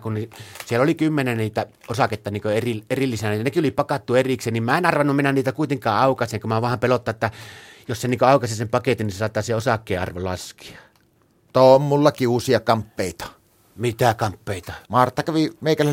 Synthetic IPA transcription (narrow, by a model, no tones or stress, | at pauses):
kunnisielːolikymːenenniːt̪æ | osɑket̪ːɑniːŋkøerierilːisænæjɑnekiolipɑkɑt̪ːuerikseːnimmæenɑrʋɑnːumminænniːt̪ækuˑit̪eŋkˑɑːʔɑˑukɑseŋkummæʋɑˑhɑmpelot̪ːɑʔʔet̪ːæjosseniŋkøɑˑukɑsisempɑket̪inːisesɑˑt̪ːˑɑːseosɑkːˑeːʔʔɑ̰rʋolɑ̰ski̥ɑ̥ | t̪oommulːɑkiuːsiɑkɑmpːeˑit̪ɑ̥ | mit̪ækɑmpːeˑit̪ɑmɑrt̪ːɑkæʋimeˑikælːæ